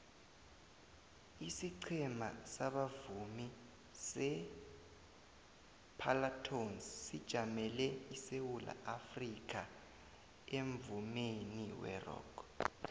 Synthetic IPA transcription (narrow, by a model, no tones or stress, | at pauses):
isiǀʰɛmasaɓavumi | sɛ | pʰalatʰonssid̥ʒ̥ʱamɛlɛisewula̰ʔafrik̬ʰʼa | eɱvumeniwɛ̰rɔ̰ːkʰ